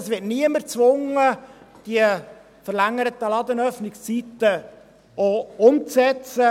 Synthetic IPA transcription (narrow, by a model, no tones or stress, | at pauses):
əsʋɪtniəməɾt͡sʋʊŋə | d̥iə | fəɾlæŋəɾət̪əlɑd̪ənœfnɪkst͡sit̪ə | oʊmt͡sɛt͡sə